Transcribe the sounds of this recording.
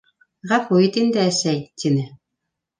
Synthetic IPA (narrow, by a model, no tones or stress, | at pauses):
ʁæfuit̪ind̪ɘæsæjt̪inɘ